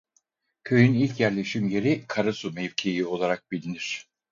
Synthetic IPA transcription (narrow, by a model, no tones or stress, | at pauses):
kʰø̞jynilʲcjæɾlʲe̞ʃimje̞ɾikʰaɾɯsumɛvcʰejio̞lˠaɾak̚bilʲiniɾ̥